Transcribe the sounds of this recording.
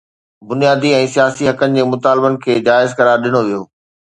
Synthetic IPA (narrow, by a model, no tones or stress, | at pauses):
bʊnijaːd̪iɛ̃ːsijaːsiɦɐkənɪ̆d͡ʑeːmʊt̪aːlbənɪ̆kʰeːd͡ʑaːɪzkɐɾaːɾɗɪñoʋijoː